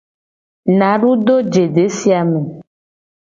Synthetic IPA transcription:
nã˨ɖu˦d̪o˦d͡ʒe˨ɖe˨˦si˦a˨me˨

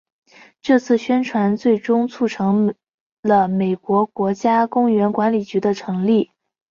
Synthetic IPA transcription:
ʈ͡ʂɤ˥˧t͡sʰɹ̩˥˩ɕɥɛ˥nʈ͡ʂʰwa˧˥nt͡swe˥˩ɪʈ͡ʂʊ˥ŋt͡sʰu˥˩ʈ͡ʂʰɤ˧˥ŋ | lə˧me˨˩ɪkwɔ˧˥kwɔ˧˥t͡ɕja˥kʊ˥ŋɥɛ˧˥nkwa˧˥nli˨˩t͡ɕy˧˥d̪ə˧ʈ͡ʂʰɤ˧˥ŋli˥˩

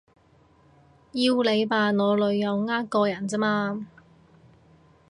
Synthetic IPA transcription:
jiː˧wle˨˧jpaː˨ŋɔː˨˧lɵ˨˧ɥːɐ˨˧wŋaː˥kɔː˧jɐ˨˩nt͡si˥maː˧

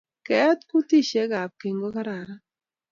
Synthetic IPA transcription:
kɛ˦t̪ku˦ti˦ʃe˨˦ɡa˨p̚ke˨ŋɡo˦ka˦ɾa˨ɾa˦

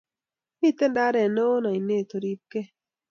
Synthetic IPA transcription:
mi˦˨t̪ɛ˦˨nda˦ɾɛ˨no˦o˦na˨i˨ne˦˨t̪o˨ɾi˦p̚ke˦

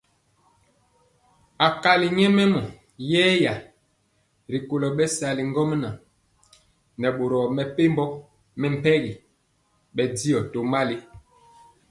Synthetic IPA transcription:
a˨ka˨li˨ɲɛ˦mɛ˦mɔ˨ | jɛː˦ja˨ | ɾi˨ko˨lɔ˨ɓɛ˦sa˨li˨ŋ˦ɡɔ˦m˦na˨ | nɛ˨ɓo˨ɾɔ˨mɛ˨pe˦mbɔ˦ | mɛ˨m̩˨pɛ˦ɣi˨ | ɓɛ˨di˦ɔ˨to˨ma˦li˦

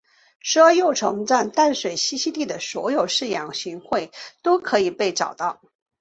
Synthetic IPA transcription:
ʂɤ˥jo˥˩ʊʈ͡ʂʰɤ˧˥ŋt͡sa˥˧nt̪a˥˩nʂwe˨˩ɪɕi˧˥ɕi˥t̪i˥˩d̪ə˩swɔ̰˧˥jo˨˩ʊʂɻ̩˥˩jɑ˨˩ŋɕy˧˥nxwe˥˩ɪt̪o˥ʊkʰɤ˧˥i˨˩pe˥˩ɪʈ͡ʂɑ˨˩ʊt̪ɑ˥˩ʊ

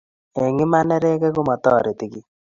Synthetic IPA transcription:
e˨ŋɪ˦ma˦nɛ˦ɾe˦kɛ˦ɡʊ˦mɔ˨t̪ɔː˦˨ɾe˨t̪i˦ki˦

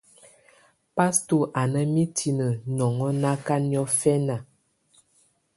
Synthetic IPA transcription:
pa˦stu˦˨ʔa˨nə˦mi˦tʰi˨nə˨nɔ˨ŋɔ˦na˦ka˦n˦˨ɔ˦fɛ˦na˨

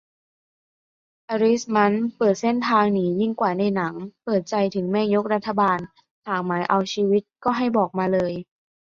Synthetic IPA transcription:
ʔa˧ɾi˦˥sma˦˥npɤː˨˩t̪̚se˥˩nt̪ʰaː˧ŋniː˦˥ji˥˩ŋkwaː˨˩na˧jna˩˦ŋpɤː˨˩t̪̚t͡ɕa˧jt̪ʰɯ˩˦ŋmɛː˥˩jo˦˥k̚ɾa˦˥t̪ʰːa˧baː˧n | t̪aː˨˩ŋmaː˩˦jʔa˧wt͡ɕʰiː˧wi˦˥t̪̚kɔː˥˩ɦa˥˩jbɔː˨˩k̚maː˧lɤː˧j

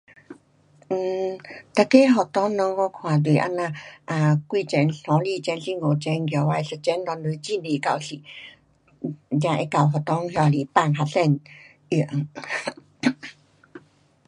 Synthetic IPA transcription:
t̪a˧˩ke˧˦ɦɔ˨˩t̪ɔ˧˦ŋnɔ˧ŋɡɔ˧˦kʰwa˨˩dwi˨˩ʔa̰˧˥nã˧ʔa˧˨kwi˧t͡ɕɛ˧˩nɬɔ̃˨˧˦li˧t͡ɕɛ˧nɬi˧ŋɡo˨˩t͡ɕɛ˧nɡwa˧jsə˧t͡ɕɛ˧˦nːɔ˧ndɨ˧˦t͡ɕi˧˨ne˨ka˧˩wsi˨ | ɲã˧ʔe˧˦ka˧˩wɦɔ˨t̪ɔ˧˦ŋɦjɔ˧˨a˨li˧˨pa˧˨ŋɦa˧sɛ˧˨n | ʔi˨˩˨ə˦ŋ

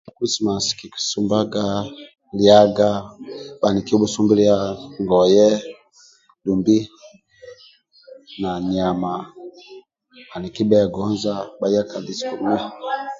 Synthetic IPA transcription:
a˨kɾi˦sma˨ski˨ki̥˨su˦mba˦ɡa˦ | lja˦ɡa˦ba˨ni˨ki˦bu˦su˦mbi˦lja˦ŋɡɔ˨jɛ˦ | du˨mbi˦ | na˨ni˨a˨ma˨ | a˨ni˨ki˦bɛ˦˨ɡɔ˦nza˦ba˨˦ja˦ka˨di˨sku˨˦i˦

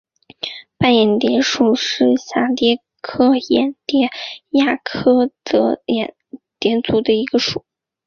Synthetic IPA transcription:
pa˥˩njɛ˨˩nt̪jɛ˧˥nʂu˨˩ʂɻ̩˥˩ɕja˥˩t̪jɛ˥ | kʰɤ˥˩jɛ˨˩nt̪jɛ˥ja˥˩kʰɤ˥t̪ɤ˧˥jɛ̰˨˩nt̪jɛ˧˥nt͡su˧˥d̪ə˧i˧˥ɡə˧ʂu˨˩˦

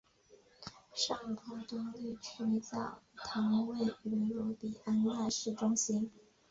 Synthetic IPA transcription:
ʂɑ˥˩ŋpʰɔ˧˩t̪ʊ˥ŋli˥˩t͡ɕʰy˧˥t͡sɑ˨˩ʊt̪ʰɑ˧˥ŋwe˥˩ɪy˧˥lɔ˧˥pi˨˩a˥nla˥˧ʂɻ̩˥˩ʈ͡ʂʊ˥ŋɕi˥n

